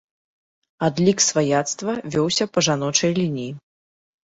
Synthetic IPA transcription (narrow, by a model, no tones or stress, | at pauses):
ad̪lʲiksvajat̪st̪vɐvʲɔwsʲɐpɐʐanɔt͡ʂɐjlʲinʲiji